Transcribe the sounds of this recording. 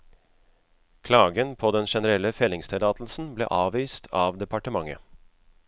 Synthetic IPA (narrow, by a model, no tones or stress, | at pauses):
kʰlɑːɡənpʰoːd̪ɛnʃɛnəɾɛlːəfɛlɪŋst̪ʰɪlɑːt̪l̩sn̩blḛːʔɑːʋiːst̪ʰɑːʋd̪ɛpɑʈəmɑŋə̰